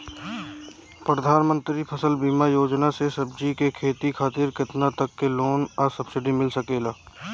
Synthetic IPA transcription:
pɾəd̪ʱaːnmə̃nt̪ɾipʰəsəlbiːmajoːd͡ʒnasesəbd͡ʒikekʰeːt̪ikʰaːt̪iɾkɪt̪nat̪əkːeloːnəsəbsɪɖimɪlsəkeːlaː

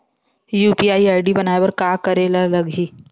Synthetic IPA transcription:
juːpiaːiaːɪɖibɐnaːebɐɾkaːkɐɾelalɐɡɦiː

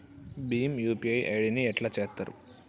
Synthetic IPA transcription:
biːmjuːpiɐjʔɐjɽiniɛʈlɐt͡ʃeːst̪ːɐɾṵ

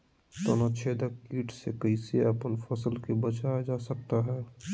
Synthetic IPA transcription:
t̪oːnat͡ʃʰeːd̪əkiːʈsekəiseɐpənfʰɐsəlkebət͡ʃaːjad͡ʒaːsək̚t̪aɦɛː

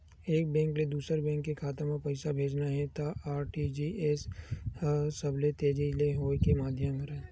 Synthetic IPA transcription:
eːk̚bɛ̃ːŋkled̪uːsəɾbɛ̃ːŋkːekʰaːt̪əmãpɐɪsabʱeːd͡ʒnaɦɛt̪aʔaːɾʈid͡ʒiʔeːs | səblet̪eːd͡ʒileɦoːekemaːd̪ʱjəməɾɛ̃ː

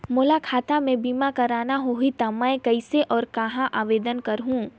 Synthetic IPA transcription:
moːlakʰaːt̪amẽbiːmakɐɾaːnaɦoɦit̪amɛ̃ɪkɐɪseʔɔːɾkɐɦãʔaːʋeːd̪ənkɐɾɦũː

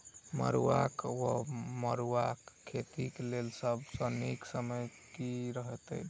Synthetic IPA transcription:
mə̰ɾuwakwoməɾuwakʰːet̪iklelsəbsəniksəməjkiɾəɦet̪ɛ̰j

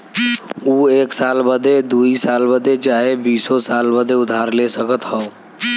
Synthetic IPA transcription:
uːeːksaːlbəd̪ʱed̪uːisaːlbəd̪ʱet͡ʃaːɦebiːsosaːlbəd̪ʱeʊd̪ʱaːɾlesəkət̪hɔo

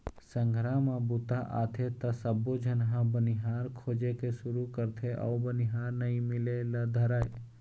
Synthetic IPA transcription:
sə̃ŋɡʱɾaːmãbut̪aʔa̰ːt̪ʰet̪ɐsɐbod͡ʒʱɐnɦãbənɪɦaːɾkʰoːd͡ʒekesʊɾukəɾt̪ʰeʔɔ̰ːbənɪɦaːɾnɐĩmɪlelɐd̪ʱəɾaːe

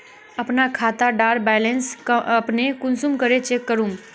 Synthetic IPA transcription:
əpnakʰaːt̪aɖaːɾbɛːlensəpnekʊnsumkəɾet͡ʃekːəɾum

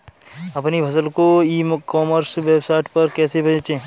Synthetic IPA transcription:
ɐpnibʰʱɐs̬əlkoiːmkɔːməɾsʋeːbsaːɪʈpɐɾkɛːsebɐd͡ʒt͡ʃẽː

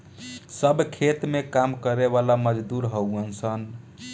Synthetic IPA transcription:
səbkʰet̪mekamkəɾeβalaməd͡ʒd̪uɾɦəuənsən

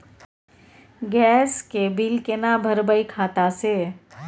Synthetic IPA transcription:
ɡɛːskebilkenabʱəɾbəikʰaːt̪aseː

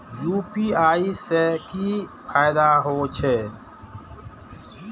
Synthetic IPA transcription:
juːpiːaːisekipʰaːɪd̪aɦoːt͡ʃʰe

